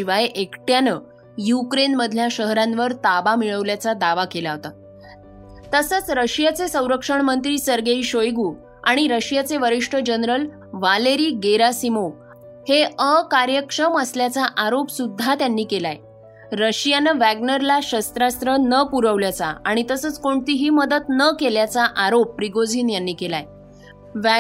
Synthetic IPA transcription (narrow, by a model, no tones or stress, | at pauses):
iʋajeʔekʈjanə | jukɾenməd̪ʱljaɕəɦɾãnʋəɾt̪abamiɭəʋljat͡sad̪aʋakelaɦot̪a | t̪əsət͡sɾəɕijat͡sesə̃w̃ɾəkʂəɳmənt̪ɾiːsəɾɡeiɕojɡuː | aɽ̃iɾəɕijat͡seʋəɾiʂʈʰəd͡ʑənɾəl | ʋaleɾiːɡeɾasimo | heəkaɾjəkʂəməsljat͡saʔaɾopsud̪ʱːat̪janːiːkelaj | ɾəɕijanəʋæɡnəɾlaɕəst̪ɾast̪ɾənəpuɾəʋljat͡sa̰aɽ̃it̪əsət͡skoɳt̪iːɦiːməd̪ət̪nəkeljat͡saʔaɾopːɾiɡod͡ziːnjanːiːkela̰j | ʋ